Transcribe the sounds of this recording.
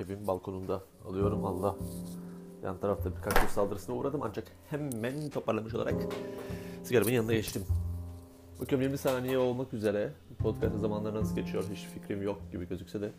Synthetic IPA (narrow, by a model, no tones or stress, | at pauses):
evimbalˠkʰo̞nund̪a | a̰lˠɯjo̞ɾumalˠːa | ja̰nt̪ʰaɾaft̪ʰabiɾkʰat͡ʃysalˠd̪ɯɾɯsɯnauːɾad̪ɯmand͡ʒak | hɛmːænt̪ʰo̞pʰaɾlˠamɯʃo̞lˠa̰ɾʔa̰k | sɯɡaɾminjanɯnaɟet͡ʃt̪ʰim | bakʰɯɾmjiɾmisaːnijɛo̞lˠmakyze̞ɾɛpʰot̪cʰast̪azamanlˠaɾɯnansɯɟe̞t͡ʃʰijo̞ɾɦit͡ʃficɾimjok̚ɟibiɟø̞zycʲsɛd̪ɛ